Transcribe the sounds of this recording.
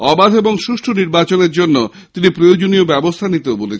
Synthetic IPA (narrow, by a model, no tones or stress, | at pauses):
ɔbad̪ʱeboŋʃuʃʈʰoniɾbat͡ɕoneɾd͡ʑonːo | t̪inipɾojod͡ʑoniobɛbost̪ʰanit̪eobolet͡ɕʰen